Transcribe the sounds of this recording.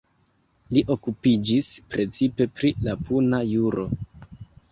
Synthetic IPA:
liʔo̞kupid͡ʒispɾe̞t͡sipe̞pɾilapunajuɾo̞̰

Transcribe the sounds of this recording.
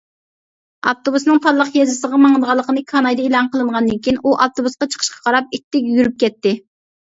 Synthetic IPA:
ɑ̰ft̪obusnɨŋpʰɑlˠːəqjɑzɨsəʁɑmɑŋd̪ʁɑlˠːəqənɨkʰɑnɑjd̪ɑelˠɑŋqʰəlˠɨɴʁɑnd̪ɨnkʲʰijinʔuʔɑft̪obusqɑt͡ʃʰə̥qʰə̥ʃqʰɑ̥qʰɑɾɑp̚it̪ʰːɪkʲjyɾyp̚kʲɛt̪ːɪ

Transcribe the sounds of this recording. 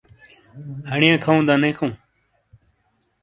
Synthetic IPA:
həɳjãːkʰaũːd̪ãːnẽːkʰõː

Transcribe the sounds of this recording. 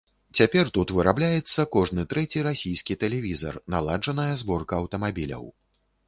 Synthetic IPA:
t͡sʲapʲɛrt̪ut̪vɨɾablʲajɛt̪sːɐkɔʐnɨt̪ɾɛt͡sʲiɾasʲijskʲit̪ɛlʲɛvʲizɐ̰rna̰lˠaʐɐnɐjɐzbɔrkɐːwt̪ɐmabʲilʲɐ̰w

